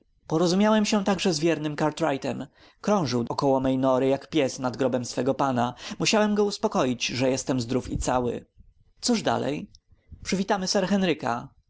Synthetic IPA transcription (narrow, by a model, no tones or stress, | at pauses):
pɔɾɔzumjawɛmɕɛ̃t̪aɡʐɛzvʲjɛɾnɘmkaɾt̪ɾajt̪ɛm | kɾɔ̃w̃ʐɘwɔkɔwɔmɛjnɔɾɘjakpʲjɛsnad̪ɡɾɔbɛmsfɛɡɔpanamuɕawɛmɡɔuspɔkɔjid͡ʑʐɛjɛst̪ɛmzd̪ɾufit̪sawɘ̰ | t̪suʐd̪a̰lɛ̰j | pʂɘvʲit̪amɘsɛɾxɛnɾɘka̰